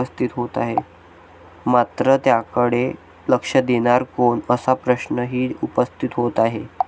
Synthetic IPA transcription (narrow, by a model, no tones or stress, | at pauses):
əst̪ʰit̪ɦot̪a̰ɦe | mat̪ɾət̪jakəɽe | ləkʂəd̪eɽ̃aɾkoɳəsapɾəɕnəɦiːupəst̪ʰit̪ɦot̪aɦe